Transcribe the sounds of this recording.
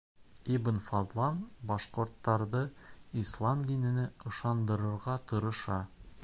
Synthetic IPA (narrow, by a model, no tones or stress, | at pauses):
ibɘnfɑd̪lˠɑnbɒʃqŏɾt̪ːɑɾðɤislˠɑmd̪inɘ̆nɘɤ̆ʃɑnd̪ɤ̆ɾɤ̆ɾʁɑt̪ɤ̆ɾɤ̆ʃɑ